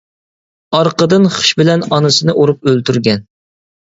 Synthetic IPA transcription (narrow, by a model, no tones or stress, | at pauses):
ɑɾqəd̪ɨnχə̥ʃbɪlɛnɑnɨsɨnɨʔoɾup̚ølt̪ʰyɾɡʲɛn